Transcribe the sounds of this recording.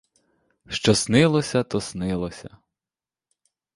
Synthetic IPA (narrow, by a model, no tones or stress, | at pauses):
ʃt͡ʃɔsnɪlˠɔsʲɐt̪ɔsnɪlˠɔsʲɐ̰